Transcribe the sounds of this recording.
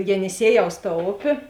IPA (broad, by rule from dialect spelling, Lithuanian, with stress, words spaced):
jɛnʲɪˈsʲiɛˌjɛʊs tɐ ˈoːpʲeː